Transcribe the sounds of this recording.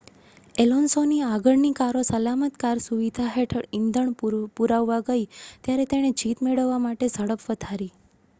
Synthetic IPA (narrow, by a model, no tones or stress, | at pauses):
elonsoniaɡəɭnikaɾosəlamət̪kaɾsuʋid̪ʱaɦeʈʰəɽind̪ʱəɳpuɾaʋːaɡəit̪jaɾet̪eɽ̃ed͡ʒit̪meɭəʋːamaʈezəɽəpʋəd̪ʱaɾi